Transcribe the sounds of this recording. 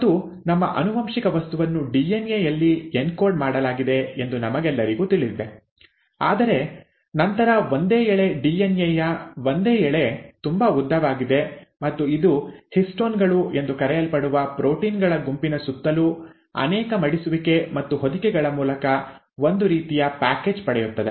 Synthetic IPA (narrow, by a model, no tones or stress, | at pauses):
ɐd̪u | nɐmːɐ̰ʔɐ̰nuʋɐmʂikɐʋɐst̪uʋɐnːuɖienjejɐlːienkoːɾɖmaːɽɐlaːɡid̪e̞end̪unɐmɐɡɛlːɐɾiɡuːt̪iɭid̪e | aːd̪ɐɾe̞ | nɐnt̪ɐɾɐʋond̪eːɛɭe̞ɖiːenjejɐʋond̪e̞ːɛɭe̞t̪umbɐud̪ʱːɐʋaːɡid̪e̞mɐt̪ːuid̪uhisʈoːnɡɐɭue̞nd̪ukɐɾɛjɐlpɐɽuʋɐpɾo̞ːʈiːnɡɐɭɐɡumpinɐsut̪ːɐlu | ɐ̰nɛːkɐmɐɽisuʋike̞mɐt̪ːuɦod̪ikɛɡɐɭɐmuːlɐkɐ | ʋo̞nd̪uɾiːt̪ijɐpaːke̞ːd͡ʒpɐɽɛjut̪ːɐd̪e